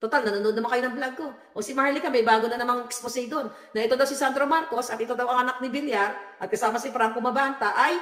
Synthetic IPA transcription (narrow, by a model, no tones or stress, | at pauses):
t̪ot̪alnɐnonod̪ɐmaŋkɐjoɐŋblaɡ̚ko̞ | ʔosimahlikamɐjbaːɡonɐnɐmaŋɛksposid̪on | nɐʔɛt̪od̪ɐwsɪsand̪ɾo̞maɾko̞sɐt̪ʔɛt̪o̞d̪ɐwɐŋɐnak̚nɪbɪljaɾʔɐt̪̚kɐsaːmɐsɪfɾaŋkomɐbant̪ɐʔɐj